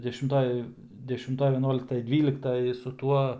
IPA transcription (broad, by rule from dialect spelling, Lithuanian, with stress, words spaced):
dʲɛʃʲɪmˈtoːj dʲɛʃʲɪmˈtoːj ʋʲɛˈnuɔlʲɪktɐj ˈdʲʋʲiːlʲɪktɐj sʊ ˈtuɔ